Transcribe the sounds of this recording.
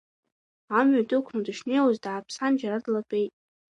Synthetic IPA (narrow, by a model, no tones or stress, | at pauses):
amɥadʼɨkʷʰʊndɨʃnejwuzdaːpʰsand͡ʒaɾadlapʼejtʼ